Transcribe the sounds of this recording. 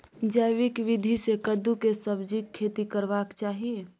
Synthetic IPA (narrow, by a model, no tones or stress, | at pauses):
d͡ʒəjʋɪkʋɪd̪ʱisekəd̪ukesɐbd͡ʒikʰːeːt̪ikəɾʋaːkt͡ʃaːɦie